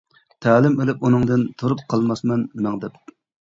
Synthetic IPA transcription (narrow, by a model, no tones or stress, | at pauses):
t̪ʰæːlɪmelɪp̚unɨŋd̪ɨnt̪ʰuɾup̚qʰɑlˠmɑsmɛnmɛŋd̪ɛp̚